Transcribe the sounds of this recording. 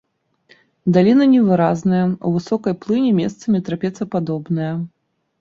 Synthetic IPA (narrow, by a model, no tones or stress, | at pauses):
d̪alʲinɐnʲɛvɨɾaznɐjɐṵvɨsɔkɐjplˠɨnʲɛmʲɛst̪sɐmʲit̪ɾapʲɛt̪sɐpad̪ɔbnɐjɐ